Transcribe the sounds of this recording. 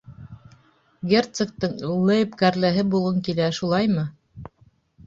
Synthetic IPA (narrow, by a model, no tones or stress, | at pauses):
ɡʲert̪sĕk̚t̪ɤŋlˠɤjpkæɾlæɦɘbulˠɤŋkilæʃulˠɑjmɤ